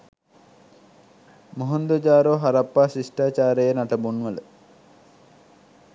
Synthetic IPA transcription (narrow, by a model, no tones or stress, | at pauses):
moɦond̪od͡ʒaːɾoɦaɾapːaːsisʈaːt͡ʃaːɾəjənaʈəbunʋələ